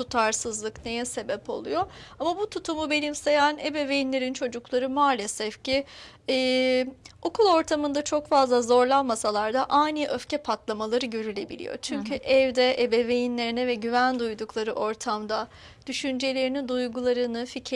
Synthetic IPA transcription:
t̪ut̪ʰaɾsɯzlˠɯknejɛse̞bɛpo̞̰lˠujo̞amabut̪ʰut̪ʰumube̞nimse̞jænebɛve̞jinlʲe̞ɾint͡ʃʰo̞d͡ʒuklˠaɾɯmaːlʲe̞sɛfciː | o̞kʰulˠo̞ɾt̪ʰamɯnd̪at͡ʃʰo̞kfazlˠazo̞ɾlˠanmasalˠaɾd̪aʔajniʔøfcɛpʰat̪lˠamalˠaɾɯɟø̞ɾylʲe̞bilʲḭjo̞̰t͡ʃʰyɲcʰyʔɛvd̪ɛʔebɛve̞jinlʲe̞ɾinɛvɛɟyvænd̪ujd̪uklˠaɾɯʔo̞ɾt̪ʰamd̪a | d̪̥yʃynd͡ʒe̞lʲe̞ɾinid̪ujɡulˠaɾɯnɯficʰ

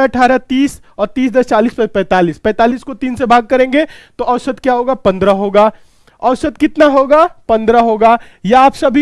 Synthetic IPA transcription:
ɐʈʰaːɾat̪iːs | ɔːɾt̪iːsd̪ɐst͡ʃaːliːspɛpɛ̃ːt̪aːliːspɛ̃ːt̪aːliːskot̪iːnsebʱaːɡ̚kɐɾẽːŋɡet̪oʔɐʊsət̪kjaːɦoːɡapɐ̃nd̪ɾaɦoːɡaː | ɐʊsət̪̚kɪt̪naɦoːɡaːpɐ̃nd̪ɾaɦoːɡaː | jaaːpsɐbʱi

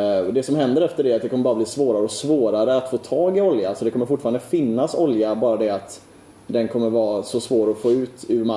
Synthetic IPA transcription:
d̪ɛsɔmhɛnd̪əɾɛft̪əɖɛat̪̚d̪ɛkʰɔməɾbɑːɾabliːsvoːɾaɾəɔsvoːɾaɾəat̪foːt̪ʰɑːɡɪɔljaalsɔd̪ɛkʰɔməɾfʊʈːfɑːɾanəfɪnːasɔljabɑːɾad̪ɛat̪ | d̪ɛnkʰɔmːəɾvɑːsɔsvoːɾɔfoːʉ̟ːt̪ʉ̟ɾma

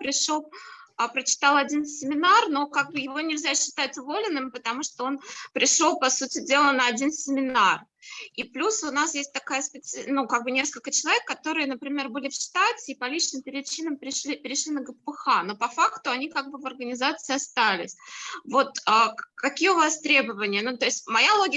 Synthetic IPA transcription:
pɾʲɪʂolˠ | pɾət͡ɕɪ̥t̪alˠɐdʲinsʲɪmʲɪnarno̞kaɡ̚bɨjɪvo̞nʲɪlʲzʲæɕːɪ̥t̪atʲʊvo̞lʲɪnːɨmpət̪ɐmuʂt̪oo̞npɾʲɪʂolˠpɐsutʲɪdʲe̞lˠənəɐdʲinsʲɪmʲɪnar | iplʲusʊnasjesʲt̚ʲt̪ɐkajəspʲɪt̪sɨnukaɡ̚bɨnʲe̞skəlʲkət͡ɕɪlˠɐvʲekːɐt̪o̞ɾɨjənəpɾʲɪmʲe̞rbɨlʲɪfʂt̪atʲɪːpɐlʲit͡ɕnɨmpʲɪɾʲɪt͡ɕinəmpʲɾʲɪʂlʲipʲɪɾʲɪʂlʲinəɡəppəxano̞pɐfakt̪ʊɐnʲikaɡ̚bɨvɐrɡənʲɪzat̪sɨɪɐst̪alʲɪ̰sʲvo̞t̪əkɐkʲijəʊvast̪ɾʲe̞bəvənʲɪjənut̪o̞ɪsʲtʲmɐjalˠo̞ɡʲɪ

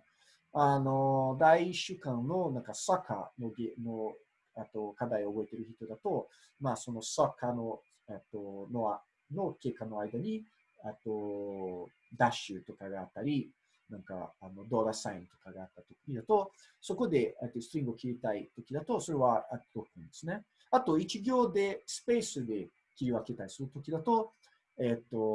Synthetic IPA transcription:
ano̞d̪aiɕɨkãnno̞nãŋkasaka̰no̞ɡeno̞ | et̪ːo̞kad̪aiobo̞e̞t̪e̞ɾɯ̟çit̪o̞d̪at̪o̞ | maːso̞no̞sakano̞ | et̪ːonoa | no̞ke̞ːkːano̞aid̪aɲ̟i | et̪ːo̞ | d̪aɕɨt̪o̞kaɡaːt̪ːaɾʲi | nãŋka̰ano̞d̪oːɾasaĩnt̪o̞̥kaɡaːt̪ːat̪okʲid̪at̪o̞ | so̞ko̞d̪e̞et̪ːo̞sɨ̥t̪ɾʲĩŋɡɯokʲiɾʲit̪ait̪o̞kʲid̪at̪o̞so̞ɾe̞βaet̪ːoɾo̞kɯ̃nd̪esɨne̞ | at̪o̞it͡ɕiɡʲo̞ːd̪e̞sɨ̥pe̞ːsɨd̪e̞ | kʲiɾʲiβake̞t̪aisɨɾɯt̪o̞kʲid̪at̪o̞ | et̪ːo̞

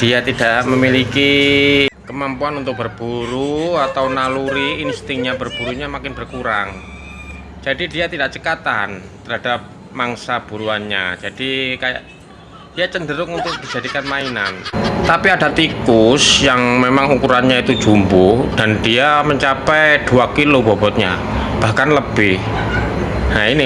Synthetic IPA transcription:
d̥iat̪idaʔməmiliki | kəmampuanunt̪ʊk̚b̥ərb̥uɾuat̪awnaluɾiːnst̪ɪŋɲabərb̥uɾuɲamakɪnbərkuɾa̰ŋ | d͡ʒadidiat̪idaʔt͡ʃəkat̪a̰n | t̪əɾɦadap̚ | maŋsab̥uɾuanɲa̰d͡ʒadikaja̰ʔ | d̥ijat͡ʃəndəɾʊŋunt̪ʊk̚d̥id͡ʒadikanmaina̰nt̪apiadat̪ikʊsjaŋmemaŋukuɾanɲait̪u̥d͡ʒumbud̥andiaməɲt͡ʃapɛjd̥uakilobɔbɔt̪̚ɲa̰ | b̥ahkanləb̥ɪh | jaini

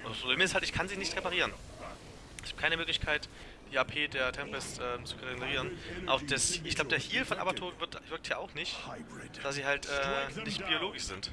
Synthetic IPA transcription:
ʔʊspʁobleːmɪsthaltɪçkʰanziːnɪçtʁepaʁ̞iːʁ̞ən | ɪçhaːb̥̚kʰaɪnəmøːklɪçkʰaɪt | d̥iːaːpʰeːdeːɐtʰɛmpɛsʔɛːmt͡su̥kʰʁeɡuləʁiːʁ̞ənʔa̰ʊfd̥ɛsɪçɡlaʊbədeːɐhiːlfɔnʔa̰bɐtʰoːvɪɐtvɪɐk̚tʰhiɐʔaʊxnɪçt | d̥asz̥iːhaltʔɛːnɪçtb̥ioloːɡɪʃz̥ɪnt

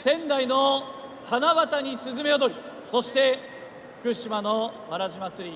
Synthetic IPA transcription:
sẽ̞nd̪aino̞ | hanaβat̪aɲ̟isɨzɨme̞od̪o̞ɾʲiso̞ɕi̥t̪e̞ | ɸɯ̥kɯ̟ɕimano̞βaɾaʑimat͡sɨɾʲi

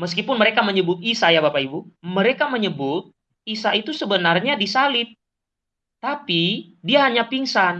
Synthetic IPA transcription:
məskipʊnməɾekaməɲəbʊt̪̚isajabapaibuməɾekaməɲəbʊt̪̚ | isait̪usəbənarɲadisalɪt̪̚ | t̪api | diaɦaɲapiŋsan

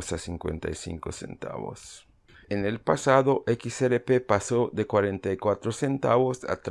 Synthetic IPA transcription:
sasiŋkwḛnt̪a̰jsḭŋkosḛnt̪a̰βo̰s | enelpasaðoʔekiseɾepepasoðekwaɾẽnt̪ajkwat̪ɾosent̪a̰βosa̰t̪

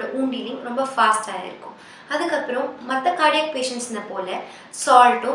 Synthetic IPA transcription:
ɽɐʔuːɳɖilɪŋɾɔmbɐfaːsʈaːɪ̰ɾɯkːʊ̰̃m | ɐðɯkːɐpːɾɐ̃mːɐt̪ːɐkaːɽɐjɐk̚peːʂɐɳʈsnɐpoːlɐ | saːlʈʊ̃

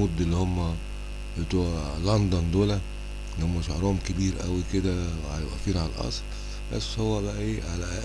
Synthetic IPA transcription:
ud̪ːelːihomːæ | bet̪ˤulɑnd̪ˤɑnd̪oːlæ | elihomːæʃohɾˤɑːmkebiːɾʔæwiked̪æʕæjebʔæfiːnʕalʔɑ̰sˤl | bæ̰sːhowːæbæʔæʔeːʕalæ

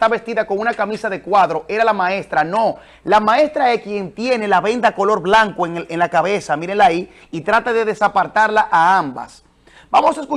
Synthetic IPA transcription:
t̪aβe̞st̪iðako̞ŋunakamisaðe̞kwaðɾo̞ʔe̞ɾalamae̞st̪ɾano̞ | lamae̞st̪ɾaekje̞nt̪je̞ne̞laβe̞nd̪ako̞lo̞ɾblaŋkoeŋenlakaβe̞samiɾelai | it̪ɾat̪aðe̞ðe̞sapaɾt̪aɾlaʔaamba̰s | b̥amo̞saesku

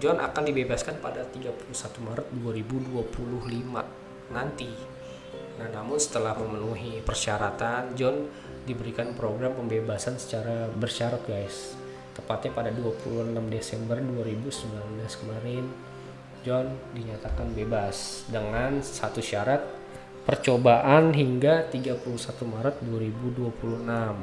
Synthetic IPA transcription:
d͡ʒɔnʔa̰kandibebaskanpadat̪iɡapuluhsat̪umaɾət̪̚duaɾibuduapʰulʊhlima̰ | nant̪i | nahnamʊnsə̥t̪əlahməmənuɦipərʃaɾat̪and͡ʒɔn | dibəɾikanpɾoɡɾampəmbebasansə̥t͡ʃaɾabərʃaɾɔk̚ɡajs | t̪əpat̪ɲapadaduapṵluhənamdesɛmbərduaɾibusəmbilanblaskəmaɾɪn | d͡ʒɔndiɲat̪akanbebasdəŋansat̪uʃaɾat̪̚ | pərt͡ʃobaʔanɦiŋɡat̪iɡapuluhsat̪umaɾət̪̚duaɾibuduapuluhnam

